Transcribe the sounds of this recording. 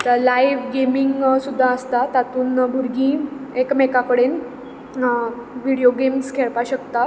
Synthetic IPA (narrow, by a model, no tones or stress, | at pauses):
t̪əlajʋɡemiŋɡsud̪ʱːaəst̪at̪at̪uːnbʱuɾɡĩːekmekakəɽen | ʋiɽijoɡemskʰeɭpaɕəkt̪a